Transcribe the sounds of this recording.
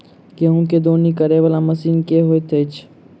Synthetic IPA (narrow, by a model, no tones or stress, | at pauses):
keɦũked̪oːnikəɾeʋəlãmɐsiːnkeɦoːet̪ʰet͡ʃʰ